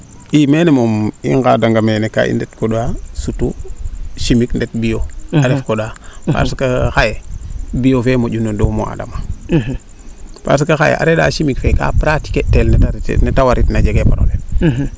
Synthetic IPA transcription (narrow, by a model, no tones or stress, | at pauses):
imenemomḭŋɡadaŋɡameneka̰ḭndetkoɗuasutu | ʃimikndet̚bijoaɾefkoɗaa̰skaxajebijofemoɟunodomo̰a̰da̰ma | pa̰s̬ikaxajḛʔa̰ɾeɗa̰ːʃimikfeka̰pɾati̥ketelneta̰netawaɾitnad͡ʒeɡepoɗo̰le